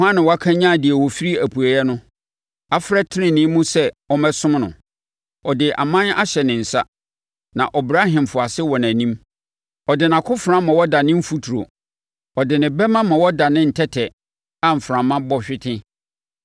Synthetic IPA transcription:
hã˦nɪ̃˨wa˦kʰã˦ɲã˦˨dɪ˨ɛ˨wɔ˨fi˦ɾi˦æ˨pʰu˨a˨jɛ˦nʊ̃˦ | a˦fɾɛ˦tʰɪ˦nɪ̃˦˨nɪ̃˦mũ˦sɛ˦ɔ˦mɛ̃˦sʊ̃˦mnʊ̰̃˨ | ɔ˨dɪ˨ʔa̰˨mã˦na̰˦ɕɛ˨nɪ̃˨n̩˨sa˦ | nã˨ʔɔ˨bɾa˦ɦã˨m˨fʊ˨a˨sɪ˦wɔ˨n˨æ̃˨nĩ˦m | ɔ˨dɪ˨nã˨kʰʊ˦fɾã˦mã˨wɔ˦da˨nɪ̃˦m̩˦fu˦tʰu˨ɾo̰˨ | ɔ˨dɪ˨nɪ̃˨bɛ˦mã˦mã˨wɔ˦da˨nɪ̃˦n̩˨tʰɛ˦tʰɛ˨ | a˦m̩˨fɾã˨mːã˦bɔ˦ɕᶣɪ˦tʰɪ̃˦

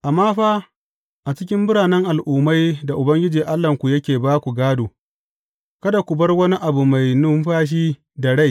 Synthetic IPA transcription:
ʔa˨maː˦ɸaː˦ | ʔa˨t͡ʃɪ˦kʲɪ˦mbʊ˦ɽaː˨nɛ˦ŋʔa˨lʔuː˨ma˦jda˨ʔʊ˨bɐ˦ŋɡʲɪ˦d͡ʒiː˨ʔa˦lːɐ˨ŋkʷu˨jɐ˦kʲeː˨baː˦kʷu˨ɡaː˦doː˨ | kɐ˦da˨kʷu˨bɐ˦rwɐ˦ni˦ʔa˨bu˨ma˨jnʊ˦mɸaː˦ʃ̬iː˦ | da˨ɽa˦j

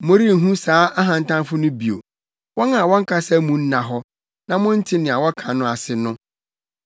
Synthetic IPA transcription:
mʊ̃˦ɾi˦n̩˨ɦũ˦saː˦a˦ɦã˨n̩˨tã˦nfʊ˦nʊ̃˦bi˨o̰˨ | wɔ̃˦nã˨wɔ̃˦ŋ˦kʰa˦sɛ˦mũ˨n̩˦nã˨ɦɔ˦ | nã˨mʊ̃˦n̩˦tʰɪ˦nɪ̃˨a˨wɔ˦kʰã˨nʊ̃˦a˨sɪ˨nʊ̃˦

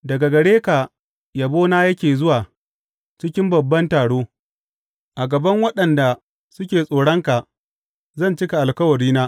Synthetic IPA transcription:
dɐ˨ɡa˨ɡɐ˨ɽeː˦ka˨ | ja˨boː˦naː˦jɐ˦kʲeː˨zʊ˦waː˨ | t͡ʃɪ˦kʲɪ˦mbɐ˨bːɐ˦ntaː˨ɽoː˦ | ʔa˨ɡɐ˨bɐ˦ŋwɐ˦ɗɐ˨nda˨ | sʊ˦kʲeː˨sʼoː˨ɽɐ˦ŋka˨ | zɐ˦˨nt͡ʃɪ˦ka˨ʔa˨lkɐ˦wɐ˨ɽiː˦naː˦

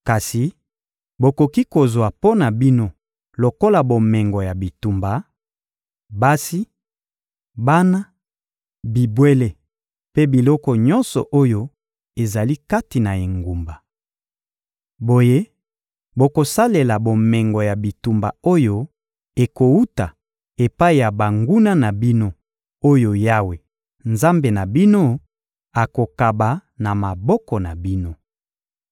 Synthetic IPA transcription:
ka˨si˨ | bo˨ko˨ki˦ko˨zwa˨po˦na˨bi˦no˦ | lo˨ko˦la˨bo˨mɛ˨ŋɡɔ˨ja˨bi˨tu˨mba˨ | ba˦si˦ | ba˦na˦ | bi˨bwe˦le˦ | pe˦bi˨lɔ˦kɔ˨ɲɔ̃˦nsɔ̰˨ʔo˦jo˦ | e˨za˨li˦ka˦ti˨na˨e˨ŋɡu˨mba˨ | bo˨je˦ | bo˨ko˨sa˦le˨la˨bo˨mɛ˨ŋɡɔ˨ja˨bi˨tu˨mba̰˨o˦jo˦ | e˨ko˨u˦ta˨ | e˨pa˦i˨ja˨ba˨ŋɡu˦na˦na˨bi˦no˦ | o˦jo˦ja˦we˨ | nza˦mbe˨na˨bi˦no˦ | a˨ko˨ka˨ba˨na˨ma˨bɔ˦kɔ˨na˨bi˦no˦

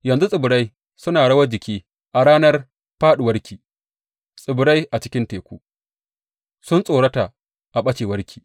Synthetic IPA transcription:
jɐ˨nzu˦sʼɪ˨bʊ˨ɾa˦j | sʊ˦naː˨ɽɐ˦wɐ˦d͡ʒɪ˨kʲiː˦ | ʔa˨ɽaː˦nɐ˦r | ɸaː˦ɗu˨wɐ˦ɾkʲiː˨ | sʼɪ˨bʊ˨ɾa˦jʔa˨t͡ʃɪ˦kʲɪ˦nteː˨kʷuː˦ | sʊ˦nsʼoː˨ɽɐ˦ta˨ | ʔa˨ɓɐ˦t͡ʃeː˨wɐ˦ɾkʲʰi̥ː˨

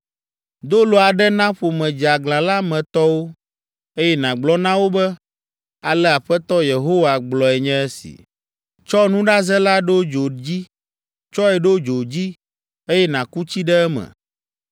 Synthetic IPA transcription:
d̪o˦lo˨a˨ɖɛ˦nã˦ɸo˨mɛ̃˨d͡ʒi˨a˨ɡlã˨la˦mɛ̃˨t̪ɔ˦wo˦ | e˦jɛ˦nã˨ɡ͡blɔ˦nã˦wo˦bɛ˦ | a˨lɛ˦a˨ɸɛ˦t̪ɔ˦je˨ɦo˦wa˨ɡ͡blɔ˨ɛ˨ɲɛ̃˦ɛ˦sḭ˨ | t͡ʃɔ˦nũ˦ɖa˦zɛ˦la˦ɖo˦d͡ʒo˨d͡ʑi˦ | t͡ʃɔ˦ɛ˨ɖo˦d͡ʒo˨d͡ʑi˦ | e˦jɛ˦nã˨ku˦t͡ɕi˦ɖɛ˦ɛ˦mɛ̰̃˨

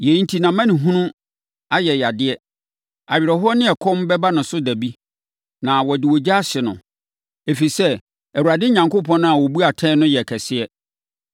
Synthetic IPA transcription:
jɛ˨n˨tʰi˨nã˨mã˦nɪ̃˨ɦũ˦nʊ̃˦ | a˦jɛ˨ja˨dɪ˦ɛ˦ | a˨ɥɪ˨ɾɛ˨ɦʊ˦ɔ˦nɪ̃˦ɛ˨kʰɔ̃˦m˦bɛ˦ba˦nʊ̃˨sʊ˦dæ˨bi˦ | nã˨wɔ˨dɪ˨wɔ˨d͡ʑa˦ɕɪ˨nʊ̰̃˨ | e˨fi˨sɛ˦ | æ˨wu˨ɾa˨dɪ˦ɲã˨ŋkʊ˦pʰɔ̃˦nʊ̃˦a˨wɔ˨bu˦a˨tʰɛ̃˦nʊ̃˦jɛ˨kʰɛ˨sɪ˦ɛ˦

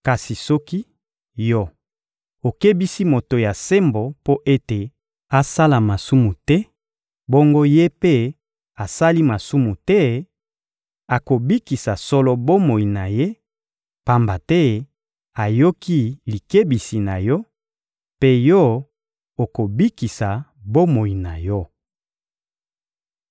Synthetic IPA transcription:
ka˨si˨sɔ˦ki˦ | jɔ˦ | o˨ke˦bi˦si˦mo˨to˨ja˨se˦mbo˨po˦ʔe˦te˨ | a˦sa˦la˨ma˨su˦mu˨tɛ˦ | bo˦ŋɡo˦je˦pe˦ | a˨sa˦li˦ma˨su˦mu˨tɛ˦ | a˨ko˨bi˦ki˨sa˨sɔ˦lɔ˦bo˦mo˨i˨na˨je˦ | pa˦mba˨tɛ˦ | a˨jo˦ki˦li˨ke˦bi˨si˨na˨jɔ˦ | pe˦jɔ˦ | o˨ko˨bi˦ki˨sa˨bo˦mo˨i˨na˨jɔ˦

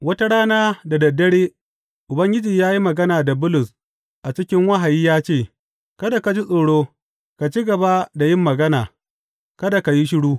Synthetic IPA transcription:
wɐ˦ta˦ɽaː˦naː˦da˨dɐ˨dːɐ˦ɽeː˦ | ʔʊ˨bɐ˦ŋɡʲɪ˦d͡ʒiː˨jaː˦ji˦mɐ˨ɡɐ˦naː˨da˨bʊ˦lʊ˨s | ʔa˨t͡ʃɪ˦kʲɪ˦ŋwɐ˦ɦa˨jiː˦jaː˦t͡ʃeː˦˨ | kɐ˦da˨ka˨d͡ʒi˦sʼoː˨ɽoː˦ | ka˨t͡ʃi˦ɡɐ˨ba˦da˨jɪ˦mːɐ˨ɡɐ˦naː˨ | kɐ˦da˨ka˨ji˦ʃɪ˦ɽuː˦

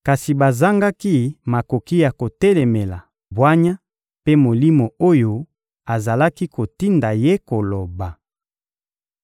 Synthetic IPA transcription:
ka˨si˨ba˨za˦ŋɡa˦ki˦ma˨ko˨ki˦ja˨ko˨tɛ˦le˨me˨la̰˨ | bwa˦ɲa˦ | pe˦mo˨li˦mo˨o˦jo˦ | a˨za˨la˦ki˦ko˨ti˦nda˨je˦ko˨lo˨ba˨

